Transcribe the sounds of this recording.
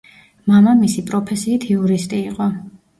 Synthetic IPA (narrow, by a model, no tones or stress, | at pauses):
mamamisipʼɾɔpʰɛsiːt̪ʰiuɾist̪ʼiːqʼɔ